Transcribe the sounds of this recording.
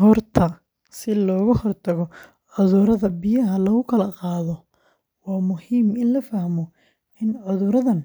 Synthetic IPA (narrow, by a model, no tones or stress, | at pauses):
ɦɔrt̪ʰɐ | sɪlɔːɣɐhɔrt̪ʰɐɣɔ | ʕʊðʊɾɐðɐbɪjɐɦɐlɐɣʊkʰɐlɐqɑːðɔ | wɑːmʊhiːmɪnlɐfɐhmɔ | ɪnʕʊðʊɾɐðɐn